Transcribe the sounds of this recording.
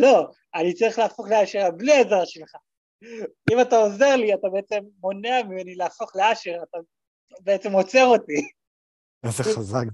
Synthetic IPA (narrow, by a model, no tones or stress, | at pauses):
lo̞ | anit͡saʁiχlaːfo̞χleaʃiʁabliezaʁʃelχa | imatao̞ze̞ʁliat̪abe̞et͡se̞mːo̞neamimenilaːfo̞χleaʃiʁat̪a | beet͡se̞mo̞t͡se̞ʁo̞t̪i | azeχazak